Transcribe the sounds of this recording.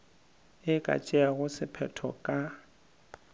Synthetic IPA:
ɪkʼa̰t͡ʃʼɛaɣʊsɪpʰɛtʰɔ̰kʼa

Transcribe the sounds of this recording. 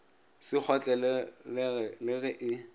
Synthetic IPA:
sɪk͡xʰɔt͡ɬʼɛlɛ | lɪɣɛʔɪ

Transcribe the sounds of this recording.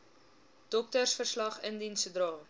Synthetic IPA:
d̥ɔk̚tərsfərslɐχəndinsədrɑː

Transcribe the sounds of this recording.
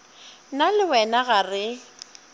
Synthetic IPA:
nalɪwɛnaɣarɪ

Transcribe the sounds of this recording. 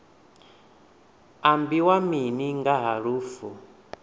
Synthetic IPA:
ambiwaminiŋɡaɦaɺuːfu

